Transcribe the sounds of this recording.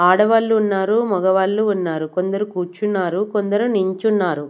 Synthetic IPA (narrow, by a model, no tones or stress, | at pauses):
aːɽɐʋɐlːuːnːaːɾumɔɡɐʋɐlːuːnːaːɾukond̪ɐɾukuːt͡ʃunːaːɾukond̪ɐɾuniɲt͡ʃunːaːɾu